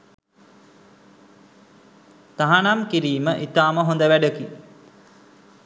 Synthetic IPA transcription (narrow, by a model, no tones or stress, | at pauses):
t̪aɦanamkiɾiːməʔit̪aːməɦond̪əʋæɖəki